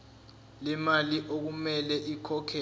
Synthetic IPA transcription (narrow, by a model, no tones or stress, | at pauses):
lɛmaliʔok̬umɛlɛʔikʰɔkʰɛ